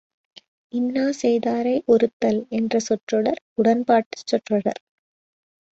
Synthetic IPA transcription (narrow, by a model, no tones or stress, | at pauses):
ɪnːaːsɛjðaːɾɐɪʔɔɾɯt̪ːɐlɛndrɐsɔʈrɔɽɐɾ | ʊɽɐnpaːʈːɯ̥t͡ʃːɔʈrɐɽɐ̰ɾ